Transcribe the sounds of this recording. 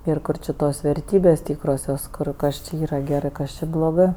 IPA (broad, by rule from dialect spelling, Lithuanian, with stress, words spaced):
ɪr ˈkʊr t͡ʃʲɪ ˈtoːs ʋʲɛrʲˈtʲiːbʲeːsʲ ˈtʲiːkroːsʲoːs ˈkʊr ˈkɐs t͡ʃʲɪ ˈiːrɐ ɡʲɛˈrɜ ˈkɐs t͡ʃʲɛ blˠoːˈɡɜ